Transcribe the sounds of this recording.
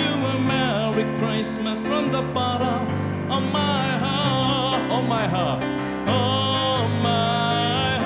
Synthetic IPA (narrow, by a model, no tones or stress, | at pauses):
u | əmɛ | ɹɪkʰɹ̥aɪsməsfɹʌ̃mðəbɑɾə | omaɪɦɑ | omaɪɦɑt | o | ma